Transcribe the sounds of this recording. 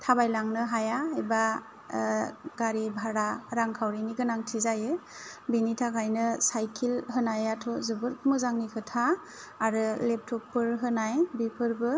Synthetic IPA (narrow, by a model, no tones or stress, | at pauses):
tʰabajlaŋnɯɦajaeba | ɡaɾibʱaɾaɾaŋkʰawɾiniɡɯnaŋtʰizajɯbinitʰakʰajnɯsajkʰilɦɯnajatʰɔzɯbɯɾkmɯzaŋnikʰɯtʰaː | ɾɯlep̚tʰɔpːɯɾɦɯnajbipʰɯɾbɯ